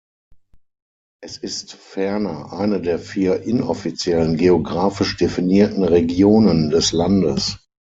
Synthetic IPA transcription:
ʔɛsɪstfɛɐnɐʔaɪnədeːɐfiːɐʔɪnɔ̰fit͡sjɛlənɡeoɡʁaːfɪʃd̥efiniːɐtn̩ʁeɡjoːnəndɛslandəs

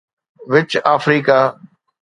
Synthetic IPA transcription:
ʋɪt͡ʃaːfɾiːkaː

